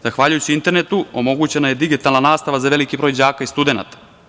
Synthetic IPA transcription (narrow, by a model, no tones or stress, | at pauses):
zaxʋaːʎujut͡ɕiint̪e̞ɾnet̪uo̞mo̞ɡut͡ɕe̞najed̪iɡit̪alnanaːst̪aʋazaʋe̞likibɾo̞jd͡ʑaːkaist̪ud̪e̞na̰t̪ḁ